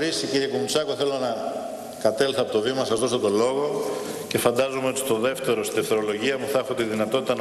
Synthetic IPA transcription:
ɾisiciɾiekumut͡sɐko̞θe̞lo̞nɐ | kɐt̪elθɐpo̞t̪o̞vimɐnɐsɐzðosot̪o̞lo̞ɣo̞ | ce̞fɐnd̪ɐzomeo̞t̪i̥t̪o̞ðe̞ft̪e̞ɾost̪inefθeɾo̞lo̞ʝiɐmuθɐexo̞t̪iðinɐt̪o̞t̪it̪ɐn

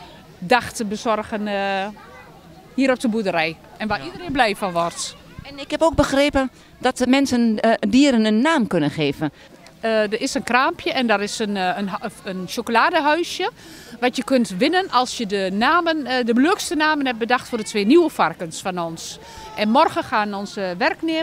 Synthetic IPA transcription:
daxtəbəsɔrɣən | hiːəɾop̚dəbudəɾɛj | ʔɛnʋaidərenblɛjfɔʋɔrt | ɛnɪkhɛpoːk̚bəxreːpə | d̥ɔtmɛnsəndiəɾənənːaːmkønənxeːvən | ədəɪsənkraːmpʰjəʔɛndɔrɪsən | ənʃokolaːdəɦœɥsjə | ʋatjəkøntʋɪnənʔɔlˠsjədənaːməndəbløəkstənaːmənɛp̚bədaxtfoːrdətʰʋeːnuwəfarkənsfɔnɔns | ʔɛnmɔrɣəxaːnɔnsəʋɛrkneː

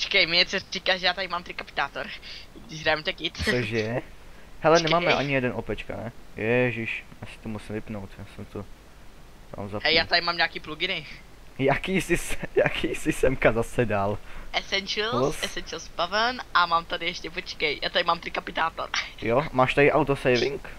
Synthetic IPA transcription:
t͡ʃɛ̥kɛjmɪɛsɛ̥ikaʒɛjaːt̪adɪmaːmt̪ɾikapɪ̥t̪aːt̪oɾɡdɪʃɾamt̪ɛkɪt̪toʒɛ | hɛlɛnɛmaːmɛʔa̰ɲɪjɛdɛnʔopɛt͡ʃka̰nɛvjɛʒiʃjasɪ̥t̪omusɪmvɪpnowt̪jaːsɛmt̪o | t̪a̰mzaɛjaːt̪adɪmaːmɲakiːpluɡɪnɛ | jakiːsɪsɛjakʰiːsɪsɛmkazasɛdaːlɛsɛnt͡ʃɛlɛsɛnt͡ʃɛlsbavənʔamaːmt̪adɪjɛʃcɛpot͡ʃkɛjja̰ːt̪adɪmaːmt̪ɾɪkapɪt̪aːt̪o̰ɾjomaːʃt̪aɾɪʔawt̪osɛjvɪŋk

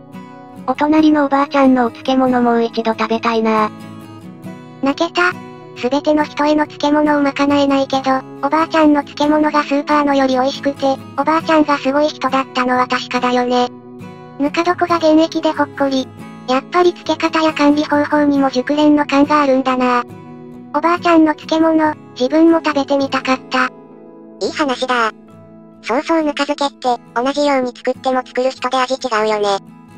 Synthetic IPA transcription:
o̞t̪o̞naɾʲino̞ːbaːt͡ɕãnːo̞t͡sɨ̥ke̞mo̞no̞mo̞ɯit͡ɕid̪o̞t̪abe̞t̪aina | nake̞t̪a | sɨbe̞t̪e̞no̞çi̥t̪o̞eno̞t͡sɨ̥ke̞mo̞no̞ːmakanaenaike̞d̪o̞ːbaːt͡ɕãnːo̞t͡sɨ̥ke̞mo̞no̞ɡasɨːpaːno̞jo̞ɾʲio̞iɕi̥kɯ̟t̪e̞ | o̞baːt͡ɕãŋ̃ɡasɨɡo̞içi̥t̪o̞d̪at̪ːano̞βat̪aɕi̥kad̪ajo̞ne̞ | mɯ̟kad̪o̞koɡaɡ̪ẽ̞ñekʲid̪e̞ho̞kːoɾʲi | japːaɾʲit͡sɨ̥ke̞kat̪ajakãnɾʲiho̞ho̞ːɲ̟imo̞ʑɨkɯ̟ɾẽ̞nːo̞kãŋɡaːɾɯ̟̃nd̪ana | o̞baːt͡ɕãnːo̞t͡sɨ̥ke̞mo̞no̞ | d͡ʑibɯ̟̃mːo̞t̪abe̞t̪e̞ɲ̟it̪akat̪ːa | iːhanaɕid̪a | sõːso̞ːnɯ̟kazɨke̞t̪ːe̞o̞naʑijo̞ːɲ̟it͡sɨ̥kɯ̟t̪ːe̞mo̞t͡sɨ̥kɯ̟ɾɯ̟çi̥t̪o̞d̪e̞aɡikʲiɡaɯ̟jo̞ne̞

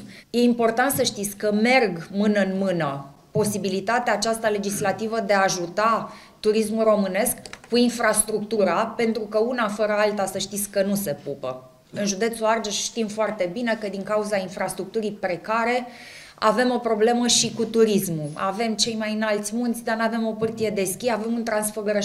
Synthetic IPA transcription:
je̞impo̞rt̪ant̪səʃt̪it̪sʲkəme̞rɡmɨnəɨnmɨnə | po̞sibilit̪at̪eaːt͡ʃast̪ale̞d͡ʒislat̪ivəd̪eaːʒut̪a | t̪uɾismulro̞mɨne̞skkuinfɾast̪ɾuk̚t̪uɾape̞nt̪ɾukəunafəɾəalt̪asəʃt̪it̪sʲkənuse̞pupə̰ | ɨnʒud̪e̞t̪suard͡ʒeʃʃt̪imfoart̪e̞bine̞kəd̪iŋkauzainfɾast̪ɾuk̚t̪uɾipɾe̞kaɾe̞ | ave̞mo̞pɾo̞ble̞məʃikut̪uɾismuave̞mt͡ʃe̞jmajɨnalt̪sʲmunt̪sʲd̪arnave̞mo̞pɨrt̪ije̞d̪e̞skʲiave̞munt̪ɾansforɡəɾə

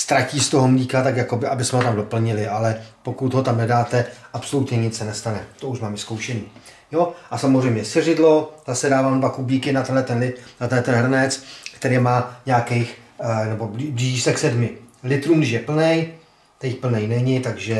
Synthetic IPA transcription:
st̪ɾaciːst̪oɦo̞mliːkat̪akjako̞bɪʔabɪsmɛɦot̪amdopl̩ɲɪlɪʔalɛpo̞kut̪ɦo̞t̪amnɛdaːt̪ɛʔapso̞lut̪ɲɛɲɪt͡sɛnɛst̪anɛt̪ouʃmaːmvɪskowʃɛniː | joʔasamozrɛjmɲɛsɪrɪdlo̞zasɛdaːvaːmnbakubiːkɪnat̪ɛnlɛt̪ɛnlɪnat̪ɛnlɛt̪ɛnɦr̩nɛt͡skt̪ɛɾejmaːɲakɛjxnɛbo̞bibliːʒiːsɛksɛdmɪlɪt̪ɾuːmɡdɪʃjɛpl̩nɛj | t̪ɛjpl̩nɛjnɛɲɪt̪aɡʒɛ

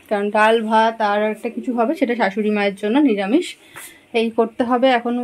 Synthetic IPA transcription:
kaɾonɖalbʱat̪aɾɛk̚ʈakit͡ɕʰuɦɔbeʃeʈaʃaʃuɾimaeɾd͡ʑonːoniɾamiʃ | ejkoɾt̪eɦɔbeɛkʰon

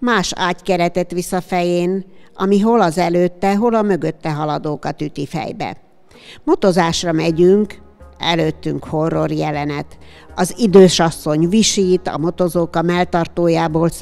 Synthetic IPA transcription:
maːʃa̰ːckɛɾɛt̪ɛt̪ʋisːɒfɛjeːnɒ̰miɦo̞lɒzɛløːt̪ːɛɦo̞lɒmøɡøt̪ːɛɦɒlɒd̪oːkɒt̪yt̪ifɛ̰jbɛ̰ | mo̞t̪o̞zaːʃrɒmɛɟyŋk | ɛ̰løːt̪ːyŋkho̞rːo̞rjɛlɛnɛt̪ | ɒzid̪øːʃɒsːo̞ɲviʃiːt̪ɒ̰mo̞t̪o̞zoːkɒmɛlt̪ɒrt̪oːjaːboːl

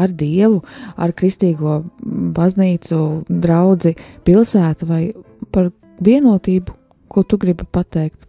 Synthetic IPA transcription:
aɾd̪iɛvua̰ɾkɾist̪iːɡuɔbazniːt̪sud̪ɾawd̪zipilˠsæːt̪vaj | paɾ | viɛnuɔt̪iːbu | kut̪uɡɾibpat̪ɛjkt̪

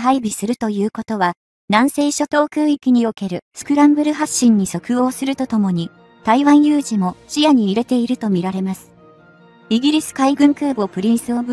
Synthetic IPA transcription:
ɦaibʲisɨɾɯ̟t̪o̞jɯ̟ːko̞t̪o̞βa | nãɰ̃se̞ːɕot̪o̞ːkɯːikʲiɲ̟io̞ke̞ɾɯ̟sɨ̥kɯ̟ɾãmbɯ̟ɾɯ̟ɦaɕːĩɲ̟ːiso̞kɯ̟o̞ːsɨɾɯ̟t̪o̞t̪o̞mo̞ɲ̟i | t̪aiβãɰ̃jɯ̟ːʑimo̞ɕijaɲ̟iːɾe̞t̪e̞iɾɯ̟t̪o̞mʲiɾaɾe̞masɨ̥ | iɡʲiɾʲisɨ̥kaiɡɯ̟̃ŋkɯ̟ːbo̞pɯ̟ɾʲĩɰ̃sɨobɯ

